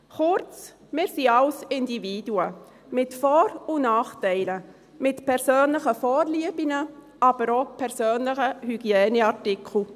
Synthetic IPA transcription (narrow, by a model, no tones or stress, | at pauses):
χʊɾt͡s | mɪːɾsiaʊsɪndiviːduə | mɪtfɔːɾunɑːχtɛɪlə | mɪtpʰɛɾsøːnləχəfɔːɾliəbinə | ʔɑb̥əɾopʰɛɾsøːnləχəhyɡ̥iɛːnəɑɾtɪkʰl̩